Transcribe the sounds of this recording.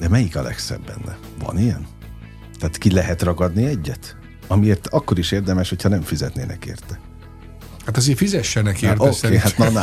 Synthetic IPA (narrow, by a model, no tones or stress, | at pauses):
d̪ɛmɛjikɒlɛ̰ksɛ̰bːɛ̰nːɛ | vɒ̰nijɛn | t̪ɛaːt̪kilɛɦɛt̪rɒɡɒd̪niɛɟːɛt̪ | ɒmieːrt̪ɒkːo̞ɾiʃeːrd̪ɛmɛʃho̞cʰhɒnɛɱfizɛt̪nḛːnʔɛ̰kḛːrt̪ɛ | hat̪ɒzeːrfizɛʃːɛnɛkertoskehat̪nɛn